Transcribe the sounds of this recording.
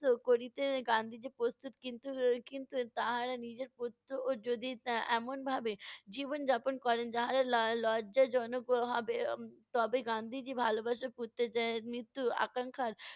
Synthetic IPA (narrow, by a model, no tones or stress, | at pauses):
t̪okoɾit̪eɡãnd̪ʱid͡ʒipɾost̪ut̪kint̪ukint̪ut̪aɦaɾanid͡ʒeɾput̪ɾoʔoɾd͡ʒod̪ʱiɛːmonbʱabed͡ʒibond͡ʒaːponkɔɾend͡ʒaɦaɾallɔːd͡ʒad͡ʒɔnokɦɔbet̪ɔbeɡãːnd̪ʱid͡ʒibʱaːlobaʃaput̪ːed͡ʒanit̪ːua̰kãŋkʰaɾ